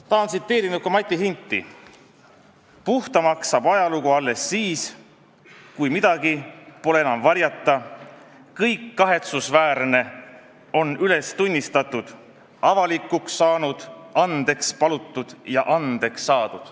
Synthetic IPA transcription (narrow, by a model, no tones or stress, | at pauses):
t̪ɑːnsit̪ːeːɾinut̪komɑt̪ʲːˑiɦint̪ˑːḭ | puht̪ɑmɑksɑbɑjɑluɡuɑlːe̞sːiːs | kujmid̪̥ɑɡipo̞le̞enɑmvɑɾjɑt̪ːˑɑ | kɤjkːɑɦe̞t̪susvæːɾne̞ | o̞nyle̞st̪unʲːist̪ɑt̪ːˑud̪̥ | ɑvɑlikːˑuksːɑːnud̪̥ɑnd̪̥e̞kspɑlut̪ːˑud̪̥jɑʔɑnd̪̥e̞ksːɑːd̪̥ud̪̥